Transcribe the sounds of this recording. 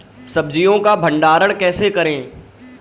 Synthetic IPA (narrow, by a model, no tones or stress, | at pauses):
sɐb̚d͡ʒijõkabʱɐ̃ɳɖaːɾəɽ̃kɛːsekɐɾẽː